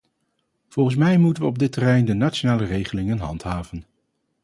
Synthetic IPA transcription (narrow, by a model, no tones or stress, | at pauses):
v̥ɔlˠχən̩s̬mɛjmutənʋəɔb̚dɪtːərɛjndənat͡ʃonaːlərejχəlɪŋənɦɑ̰ntɦaːvən